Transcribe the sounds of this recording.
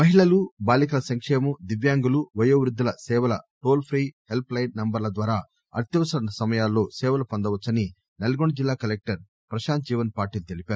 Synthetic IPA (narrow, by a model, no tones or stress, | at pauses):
mɐɦiɭɐlubaːlikɐlɐsɐŋkʂɛːmud̪iʋjaːŋɡuluʋɐjoːʋɾud̪ːiɐlɐsɛːʋɐlɐ̰ʈo̞ːlpʰɾiːhelplɐjnːɐmbɐɾlɐd̪ʋaːɾaː | ɐ̰ɾt̪jɐʋɐsɐɐnɐsɐmɐjaːlːo̞ːsɛːʋɐlɐpɐnd̪ɐʋɐt͡ʃːɐni | nelɐɡoɳɖɐd͡ʒilːaːkɐlek̚ʈɐɾ | pɾɐʃaːnt̪̚d͡ʒiːʋɐnpaːɾʈiːlut̪elipaːɾu